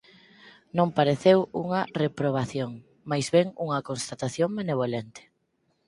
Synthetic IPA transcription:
nõŋpaɾeθewuŋɐrepɾoβ̞aθjoŋ | majzβeŋuŋɐkonst̪at̪aθjoŋmeneβ̞olent̪ɪ̥

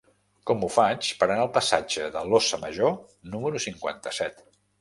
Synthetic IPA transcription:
kɔmufat͡ʃpəɾənaəlˠpəsa̰d͡ʒəðəlosəməʒo | numəɾusiŋkwa̰nt̪əsɛt̪

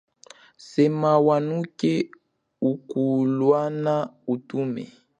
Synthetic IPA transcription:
sɛmawanukɛ | ukulwanautumɛ̰

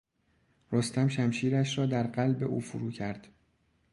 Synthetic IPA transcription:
ɾo̞st̪æmʃæmʃiːɾæʃɾɒːd̪æɾɢælbe̞ʔuːfuɾuːcʰæɾd̪̥

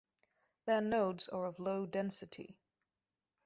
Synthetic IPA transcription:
ðənoʊdzə˞ʌvloʊdɛ̃nsɨɾʰḭ

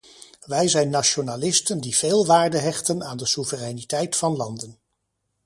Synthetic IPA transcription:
ʋɛjzɛjnːaʃonaːlɪstəndiv̥eːlˠʋaːɹdəɦɛχtənaːndəsuvərɛjnitɛjtfɑnlɑndən

